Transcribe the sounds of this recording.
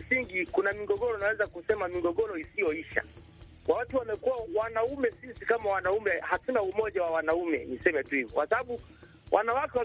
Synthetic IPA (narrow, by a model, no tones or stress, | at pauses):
siŋɡikunamiɡɔɠɔɾɔnawɛzakusɛmamiɡɔɠɔɾɔisijɔiʃa̰ | wawatuwamɛkuwawanaumɛsisikamawanaumɛhatunaumɔʄawawanaumɛ̰nisɛmɛtuhivɔkwasaɓaɓu | wʔanawakɛwa